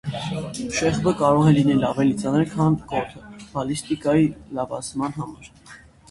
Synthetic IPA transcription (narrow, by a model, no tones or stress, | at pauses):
ʃɛʁbəkɑɾɔʁɛlinɛlɑvɛlit͡sɑnəɾkʰɑnkɔt̪ʰəb̥ɑlist̪ikɑjilɑvɑ̰t͡smɑnɦɑmɑɾ